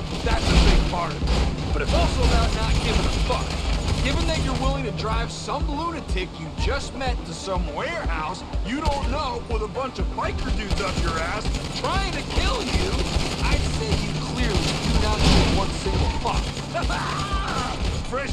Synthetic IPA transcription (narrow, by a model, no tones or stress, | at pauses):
ðætsɨbɪɡ̚pʰɑɹɾʌv̰ | b̥ʌɾɨfɔlˠsoʊðaʊtⁿnət̚ɡ̥ɪvɨ̃nəfʌkɪvɨ̃nðɨt͡ʃə˞wɪlˠɪ̃ŋtʰɨdɹaɪv̥sʌ̃mblunɨtʰɪkjɨd͡ʒʌst̚mɛtʰɨsʌ̃mwɛɹɦaʊsjɨɾõʊ̃nːoʊwʌðəbʌ̃nt͡ʃʌv̥pʰaɪkʰə˞dʉtʌvjə˞æstʰɹ̥aɪɪ̃ŋtɨkʰɪlˠjʉaɪd̥seɪhikʰl̥ɪɹlˠidɨdⁿnət̚ɡ̥ɪvwʌ̃nsɪ̃ŋɡl̩ˠfʌ̰k | fɛ̃